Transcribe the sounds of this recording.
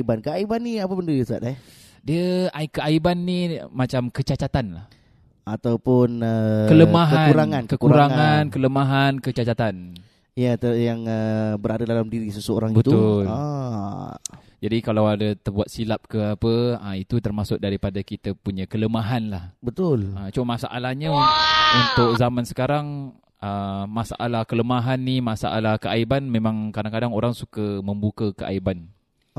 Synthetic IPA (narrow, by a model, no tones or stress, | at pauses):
ibankəaibanːiapəbəndəəsa̰t̪̚a | diəaikəaibanːimat͡ʃamkət͡ʃat͡ʃat̪anlah | at̪awpʊnəkələmaɦauɾaŋãnkəkuɾaŋŋankələmaɦankət͡ʃat͡ʃat̪an | ijat̪əjaŋəbəɾadadalamdiɾisəsəo̰ɾaŋbət̪uʊla | d͡ʒadikalawadat̪ərbuat̪̚silap̚kəapəait̪ut̪ərmasʊk̚daɾipadakit̪apuɲãkələmaɦanlahbət̪ʊlat͡ʃomasa̰ʔa̰lahɲaunt̪ʊk̚zamansə̥kaɾaŋ | əmasa̰ʔalahkələmaɦanːimasa̰ʔa̰lahkəʔaibanmẽmãŋkadaŋkadaŋoɾaŋsukəmə̃mbukəkəʔa̰iban